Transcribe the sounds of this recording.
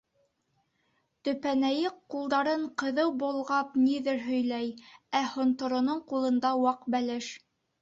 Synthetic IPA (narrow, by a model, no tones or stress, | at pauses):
t̪ɵ̆pænæjɘqqːulˠd̪ɑɾɤɴqɤ̆ðɤwbŏlˠʁɑpniðɘɾɦɵ̆jlæjæhŏnt̪ŏɾŏnoɴqulˠɤ̆nd̪ɑwɑqbælɘʃ